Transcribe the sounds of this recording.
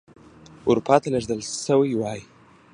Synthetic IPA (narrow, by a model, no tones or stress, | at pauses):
ʊɾupʰɑt̪aləʐd̪əlsəwajwɑji